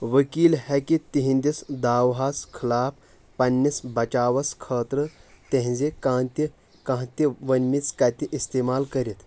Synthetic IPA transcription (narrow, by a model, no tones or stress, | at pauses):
ʋəkiːlhɛkit̪iɦĩnd̪isd̪aːwɦaːskʰɐlaːp | pɐnːisbɐt͡ʃaːʋɐskʰəːt̪ɾət̪ẽɦd͡zekat̪i | kãɦt̪iʋɐnmit͡skat̪iʔist̪eːmaːlkɐɾit̪